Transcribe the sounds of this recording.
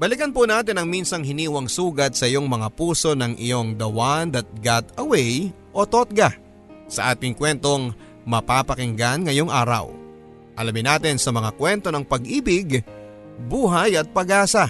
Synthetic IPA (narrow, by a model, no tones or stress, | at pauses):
bɐlɪkɐnpunaːt̪ɪnɐŋminsɐŋɦɪniːwɐŋsuːɡɐt̪̚sɐʔɪjo̞ŋmɐŋapuːso̞nɐŋʔɪ̰jo̞ŋd̪ɐwand̪ɐt̪̚ɡat̪ɐwɛj | ʔo̞t̪ot̪̚ɡa | sɐʔaːt̪ɪŋkwɛnt̪o̞ŋ | mɐpapɐkɪŋɡanŋɐjo̞ŋʔa̰ːɾɐ̰w | ʔɐlɐmɪnaːt̪ɪnsɐmɐŋakwɛnt̪o̞nɐŋpɐɡʔiːbɪɡ | buːɦajɐt̪̚pɐɡaːsɐ